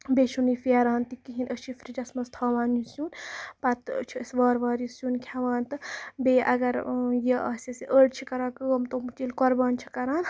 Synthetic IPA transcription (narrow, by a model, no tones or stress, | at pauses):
beːʃunifiɐːɾaːnt̪ikiɦinəʃifɾid͡ʒɐsmɐst̪ʰaːʋaːnjusjuːnpɐt̪t͡ʃʰisʋaːɾʋaːɾjusjuːnkʰʲaʋaːnt̪ɨbeːʔɐɡɐɾjɐɐːsʲɐsiʔəːɽt͡ʃʰikɐɾaːkɨəmt̪omt͡ʃilkɔɾbaːnt͡ʃʰi̥kɐɾaːn